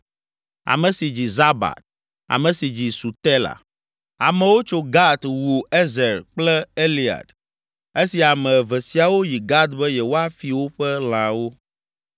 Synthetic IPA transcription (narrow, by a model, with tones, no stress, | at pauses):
a̰˨mɛ̃˨si˨d͡ʑi˨za˦ba̰˨t̪̚ | a̰˨mɛ̃˨si˨d͡ʑi˨su˨t̪ɛ˦la̰˨ | a̰˨mɛ̃˨wo˦t͡ʃo˨ɡa˦d̪wu˨e˦zɛ˨ɾk͡plɛ˦e˦li˨a̰˨d̪ | e˦si˨a˨mɛ̃˨vɛ˨si˨a˨wo˦ji˨ɡa˦d̪bɛ˦jɛ˨wo˦a˦fi˨wo˦ɸɛ˦l̃ã˨wo˦